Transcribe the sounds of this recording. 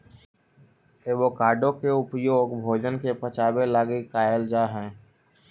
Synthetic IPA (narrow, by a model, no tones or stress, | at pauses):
eːbokaːɾɖõkeʊpjoːɡbʱoːd͡ʒənkepət͡ʃaːbelaːɡikaːjəld͡ʒaːɦɛ̃ː